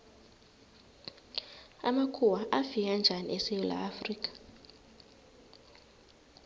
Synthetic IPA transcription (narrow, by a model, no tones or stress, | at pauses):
a̰makʰuwaʔafik̬and͡ʒʱanḭʔɛsɛjɔla̰ːfriːk̬ʼḁ